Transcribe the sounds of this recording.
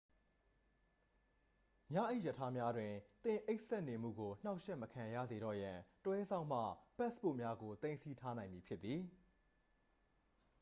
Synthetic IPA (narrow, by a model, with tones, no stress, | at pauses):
mjä̰˦˨ʔe˦˨jə˨tʰa˦mja˦dwɪ̃˨t̪ɪ̃˨ʔe˦ɪʔsɛ˦ʔne˨m̥ṵ˦˨ɡo˨n̥a˦ʊʔʃɛ˦ʔməkʰã˨ja̰˦˨ze˨ɾɔ̰˦˨jã˨təwɛ˦zã˦ʊ̃m̥ä̰˦˨pɛ˦spo̰˦˨mja˦ɡo˨t̪ẽ˦ɪ̃nsi˦tʰa˦nã˨ɪ̃mji˨pʰjɪ˦t̪ːi˨